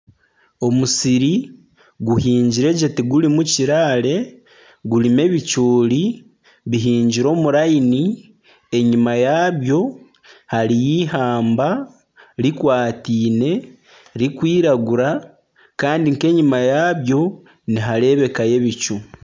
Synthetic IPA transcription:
o̞musiɾi | ɡuhiːɲɟiɾe̞ɟetiɡulimuciɾale̞ | ɡulime̞βit͡ʃuːli | βiɦiːɲɟiɾo̞ːmuɾaini | e̞ɲimajaːβjo̞ | haɾijiɦaːmba | ɾikwaːtiːne̞ | ɾikwiːɾaɡuɾa | kaːndiŋke̞ɲimajaːβjo̞ | niɦaɾe̞ːβe̞kaje̞βit͡ʃu

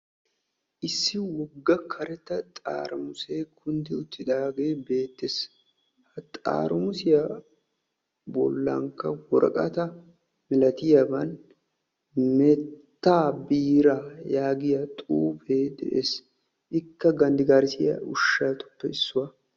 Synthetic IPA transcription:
ʔɪsːɪwɔɡːɐkʰɐɾɛt̪ːɐt̪ʼa̰ːɾʊmʊseːkʰʊnd̪ɪʊt̪ːɪd̪aːɡe̞ːbe̞ːt̪ːes | hɐt̪ʼa̰ːɾʊmʊsɪja | bɔ̰lːɐ̰ŋkːɐwɔɾɐkʼɐt̪ɐ | mɪlɐt̪ɪjɐbɐn | mɛttt̪ːaːbiːɾajaːɡɪjat̪ʼuːfeːd̪ɛ̰ʔḛːs | ʔɪkːɐɡɐnd̪ɪɡaːɾɪsɪjɐ̰ʊʃːaːt̪ʊ̥pːɛɪsːʊwɐ

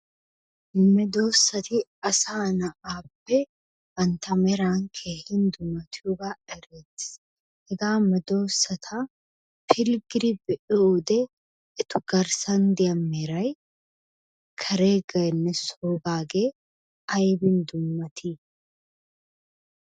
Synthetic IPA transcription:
mɛd̪o̞ːsːɐt̪iɐsaːnɐʔaːbɛ | hɐnt̪ɐmɛɾaːŋkʰeːhɪnd̪ʊmːɐt̪uɡaʔɛɾɛt̪ɪ̥s | ɛɡaːmɛd̪oːsːɐt̪ʰa | fɪlɡɾɪbɛᶑʊud̪ɛ | ɪt̪ʊɡ̥ɐɾsɐnd̪ɪɐmːɛɾɐj | kʰɐɾeːɡɐnːɛsoːbaːɡeː | ɐjbɪnd̪ʊmːɐt̪ʰi

